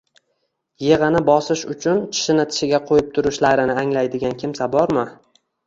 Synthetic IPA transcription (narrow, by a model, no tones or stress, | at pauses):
je̞ʁɨnɪbɒsɪʃʊt͡ʃʰʊnt͡ʃʰɪ̥ʃɪnɪt̪ʰɪ̥ʃɪɡʲaqʰojɪp̚t̪ʰʊɾʊʃlaɾɪnɪaŋlajd̪ɪɡʲankʲʰɪmsabɒɾmɪ